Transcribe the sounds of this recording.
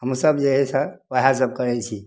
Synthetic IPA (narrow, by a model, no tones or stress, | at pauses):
ɦəmsəbd͡ʒeɦɛsəʋəɦas̬əb̚kəɾɛt͡ʃʰi